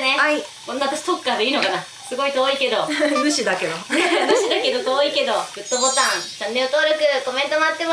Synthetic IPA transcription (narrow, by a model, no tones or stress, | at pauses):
neaikõnːat̪aɕi̥t̪okːaːd̪e̞iːnokana | sɨɡo̞it̪oːike̞d̪o̞nɯ̟ɕid̪ake̞d̪onɯɕid̪ake̞d̪ot̪oːike̞d̪o̞ɡɯ̟t̪ːobo̞t̪ãŋsãnːeot̪oaɾɯkɯ̟ko̞mẽ̞nt̪o̞moat̪ːe̞m